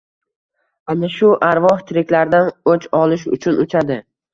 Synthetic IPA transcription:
anaʃʊʔaɾvɒht̪ʰɪɾɪkʲlaɾd̪anot͡ʃʰɒlˠɪʃ̬ʊ̰t͡ʃʰʊnʊt͡ʃʰad̪ɪ

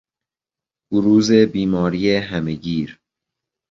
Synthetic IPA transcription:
b̥oɾuːze̞biːmɒːɾijeɦæmeɡiːɾ

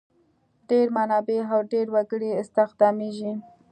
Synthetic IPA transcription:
ɖeɾmanɑbeawɖeɾwaɡəɽeɪst̪ɪxd̪ɑmeʒi

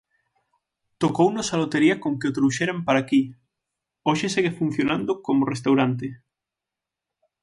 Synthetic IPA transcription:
t̪okownosalot̪eɾiakoŋkeot̪ɾuʃeɾampaɾaki | oʃeseɣefun̟θjonãnd̪okomorest̪awɾant̪e

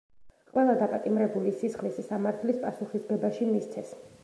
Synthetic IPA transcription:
qʼwɛlˠad̪apʼat̪ʼimɾɛbulisisχlisisamaɾt̪ʰlispʼasuχisɡɛbaʃimist̪sʰɛs

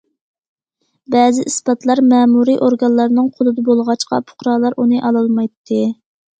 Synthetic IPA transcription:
bɛːzɪʔisbɑt̪lˠɑɾmɛːmuɾiʔoɾɡɑnlːˠɑɾnɨŋqʰolˠɨd̪ɨbolˠʁɑt͡ʃqɑ̰pʰʊ̥χɾɑːlˠɑɾunɨʔɑlˠɑlˠmɑjt̪ʰːɨ

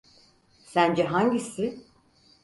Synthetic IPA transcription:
sænd͡ʒɛɦaɲɟisɪ

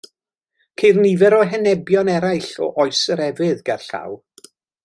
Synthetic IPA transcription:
kʰejrnivɛɾɔɦɛnɛbjɔnɛɾajɬɔ̰ʔɔɨsəɾɛvɨðɡarɬa̰w

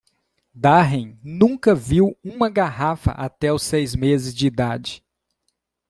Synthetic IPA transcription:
d̪aɦẽj̃nũŋkɐviwũmɐɡaɦafɐ̰ʔat̪ɛʊsejzmezɪzd͡ʒɪid̪ad͡ʒɪ

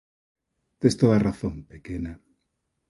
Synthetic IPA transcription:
t̪est̪oaraθõmpekena

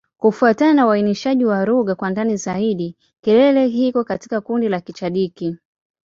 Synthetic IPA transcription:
kufuataanauwainiʃaʄiwaɾuɠakwandanizaiɗi | kɛlɛlɛɦikɔkati̥kakundilakit͡ʃaɗiki

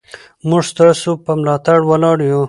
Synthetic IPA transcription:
mʊʐst̪ɑsopəmlɑt̪aɽwalɑɽju

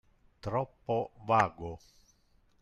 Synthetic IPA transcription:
t̪ɾɔpːovaːɡo

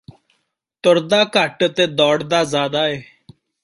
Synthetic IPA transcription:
t̪ʊɾd̪aːkəʈt̪eːd̪ɔːɽd̪aːzaːd̪aːeː

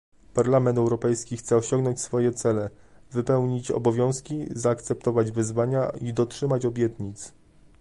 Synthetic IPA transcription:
paɾlamɛnt̪ɛwɾɔpɛjskʲixt̪sɛɔɕɔŋɡnɔɲt͡ɕsfɔjɛt̪sɛlɛ | vɘpɛwɲit͡ɕɔ̰bɔvʲjɔ̃w̃skʲizaːkt̪sɛp̚t̪ɔvad͡ʑvɘzvaɲaid̪ɔtʂɘmat͡ɕɔbʲjɛt̪ɲit̪s

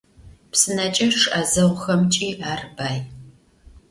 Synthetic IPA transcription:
psɨnɐt͡ʃʼɐʂʔɐzɐʁʷxɐmt͡ʃʼiːaːrbaːj

